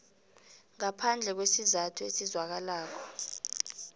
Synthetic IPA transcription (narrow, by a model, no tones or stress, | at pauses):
ŋapʰand͡ɮʱɛk̬wesizatʰuesizwak̬alaːk̬ʰɔ̥